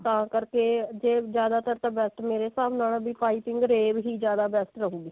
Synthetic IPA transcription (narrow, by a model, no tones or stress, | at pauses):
t̪ãːkəɾkeːd͡ʒeːd͡ʒjaːd̪aːt̪əɾt̪ãːbɛːsʈ̪meːɾesaːbnaːlːbiːpaːiːpɪ̃ŋɡɾeːbɦiːd͡ʒjaːd̪aːbɛːsʈ̪ɾəɦũːɡiː